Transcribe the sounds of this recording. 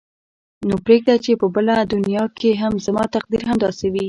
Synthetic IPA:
nopɾeɡ̚d̪at͡ʃepəbəlad̪ʊnjɑkeɦamzamɑt̪aq̚d̪iɾɦamd̪ɑsewi

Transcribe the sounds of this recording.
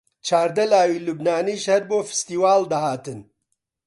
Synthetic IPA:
t͡ʃʰaːɾd̪ɐlaːwiːlubnaːniːʃhɐɾboːfɨ̥st̪iːwaːld̪ɐhaːt̪ɨn

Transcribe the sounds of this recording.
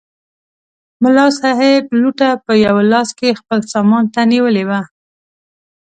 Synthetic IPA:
mʊlɑsɑɦɪbluʈapəjawalɑskexpəlsɑmɑnt̪aniwəlewa

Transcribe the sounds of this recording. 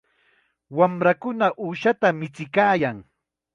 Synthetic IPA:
wamɾakʊnaʔuːʃat̪amɪt͡sɪkaːjaŋ

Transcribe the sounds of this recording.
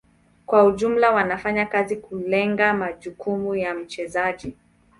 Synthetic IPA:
kwauʄum̩lawanafaɲakazikulɛŋɡamaʄukumujam̩t͡ʃɛzaʄi

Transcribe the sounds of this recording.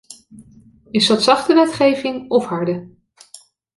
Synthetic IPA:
ɪsdɑtsɑχtəʋɛtχejvɪŋɔfɦɑɹdə

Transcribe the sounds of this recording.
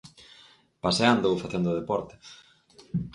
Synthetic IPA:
paseand̪owfaθend̪ʊðepɔɾt̪ɪ̥

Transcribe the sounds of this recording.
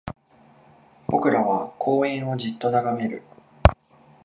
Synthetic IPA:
b̥o̞kɯ̟ɾaβakʰo̞ːẽɰ̃o̞d͡ʑit̪ːo̞naɡame̞ɾɯ̟̰

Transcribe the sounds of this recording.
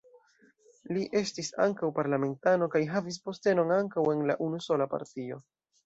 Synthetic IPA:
liʔe̞stisa̰ŋkawpaɾlame̞ntano̞kajɦavis̬po̞ste̞no̞naŋkawe̞nlaʔunuso̞lapa̰ɾtio̞

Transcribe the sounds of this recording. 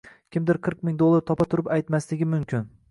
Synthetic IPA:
kʲʰɪmd̪ɪɾqʰɨɾq̚mɪŋd̪olˠːaɾt̪ʰɒpat̪ʰʊɾɪpajt̪maslɪɡʲɪmʊmkʲɪn

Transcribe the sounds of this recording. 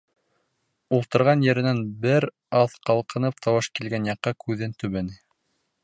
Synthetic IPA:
ulˠt̪ɤ̆ɾʁɑnjɘ̆ɾɘ̆nænbɘɾ | ɑðqɑlˠqɤ̆nɤp̚t̪ʰɑwɑʃkilɡænjɑqːɑkʰʉðɘnt̪ɵ̆βænɘ

